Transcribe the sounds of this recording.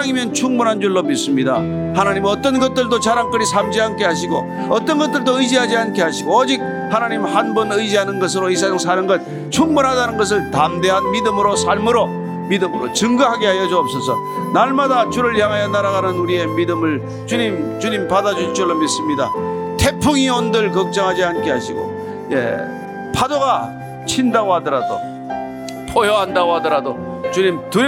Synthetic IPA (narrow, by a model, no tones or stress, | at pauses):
aŋimjʌnt͡ɕʰuŋbunɦand͡ʑuɭːomits͈ɯmɲida̰ | hanaɲimʌt͈ʌnɡʌt̚t͈ɯɭdot͡ɕaɾaŋk͈ɯɾisʰamd͡ʑiɦankʰe̞ɦaɕ̬ʰiɡo̰ | ʌt͈ʌnɡʌt̚t͈ɯɭdoɯd͡ʑiɦad͡ʑiankʰe̞ɦaɕʰiɡoʌd͡ʑik̚ | hanaɲimhanbʌnɯjd͡ʑiɦanɯnɡʌs̬ʰɯɾois̬ʰasʰʌŋs̬ʰaɾɯnɡʌt̚ | t͡ɕʰuŋbunɦadanɯnɡʌs̬ʰɯɭtamde̞ɦanmidɯmɯɾosʰaɭmɯɾo | midɯmɯɾo̰t͡ɕɯŋɡɯɦaɡe̞ɦajʌd͡ʑoːp̚s͈ʌsʰʌ | naɭmadat͡ɕuɾɯɭjaŋɦajʌnaɾaɣanɯnuɾie̞midɯmɯɭ | t͡ɕuɲimt͡ɕuɲimpadad͡ʑut͡ɕuɭːomis͈ɯmɲidatʰe̞pʰuŋiondɯɭkʌk̚t͡ɕ͈ʌŋɦad͡ʑiɦank͈eɦaɕʰiɡo̰ | jḛ | pʰadoɡa | t͡ɕʰindaɡohadɯɾado̰ | pʰojʌɦandaɡoɦadʌɾado | t͡ɕuɲimtu